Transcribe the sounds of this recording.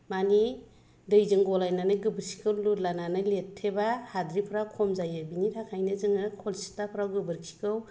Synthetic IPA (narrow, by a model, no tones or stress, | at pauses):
mani | dɯjzɯŋɡɔlajnanɯɡɯbɯɾsi̥kʰɯwlutlananɯletʰːebahadɾipʰɾawkʰɔmzajɯbinitʰakʰajnɯzɯŋɯkʰolsi̥tapʰɾawɡɯbɯɾkʰi̥kʰɯw